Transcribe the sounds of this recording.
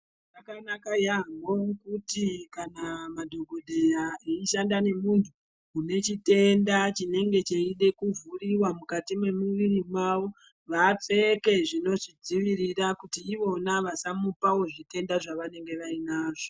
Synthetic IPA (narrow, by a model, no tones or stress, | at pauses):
aakanakajamokutikanamadʱo̞ɡʱoɗʱejaeiʃandane̞muntʰuː | ne̞t͡ʃite̞ndat͡ʃine̞ŋɡe̞t͡ʃeiɗe̞kuvuriwamukatimwe̞muʋirimwaʋo̞ | ʋap͡fe̞ke̞ʐino̞ʐid͡ziʋiɾirakutiːʋo̞naʋasamupao̞ʐite̞ndaʐaʋane̞ŋɡe̞ʋainaːʐo